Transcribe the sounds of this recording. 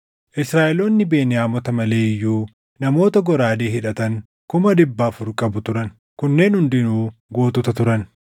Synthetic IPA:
ʔɪsɾaːʔɛlo̞ːnːɪbeːnɪjaːmɔt̪ɐmɐle̞ːɪjːuː | nɐmo̞ːt̪ɐɡɔɾaːd̪eːɦɪᶑɐt̪ɐŋ | kʊmɐdɪbːaːfʊɾkʼɐbʊt̪ʊɾɐn | kʊnːe̞ːnhʊnd̪ɪnuːɡo̞ːt̪ɔt̪ɐt̪ʊɾɐn

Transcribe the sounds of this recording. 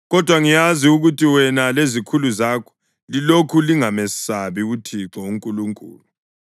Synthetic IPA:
ɣɔd̥ʱwaŋijaziuɣutʰʼiwɛnalezikʰuluzaːkʰɔ̥ | lilokʰuliŋamɛsaβiutʰiǁouŋkʼuluŋkʼṵːlu

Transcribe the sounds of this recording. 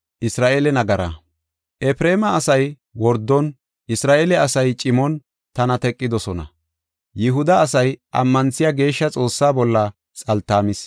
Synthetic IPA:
ʔɪsɾaːʔeːlɛnɐɡɐɾa̰ | ʔɛpɾeːmɐːsɐj | wɔɾd̪ːɔn | ʔɪsɾaːʔeːlɛɐsɐjt͡ʃʼɪmɔn | t̪ɐnɐt̪ɛkʼːɪd̪ɔsɔnɐ̰ | jɪɦʊd̪ɐːsɐjʔɐ̰mːɐnsɪjaɡe̞ːʃːɐt͡sʼo̞ːsːaːbɔlːɐ | t͡sʼɐlt̪ːaːmɪs

